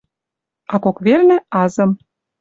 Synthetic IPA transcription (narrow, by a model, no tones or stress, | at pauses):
ɑkokβernĕɑzɤ̆m